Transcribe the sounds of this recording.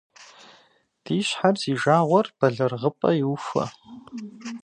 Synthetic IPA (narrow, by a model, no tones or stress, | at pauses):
d̥iːɕħarziʒaːʁʷɐrb̥ɐɮɨrʁəpʼɐiwufɐ̰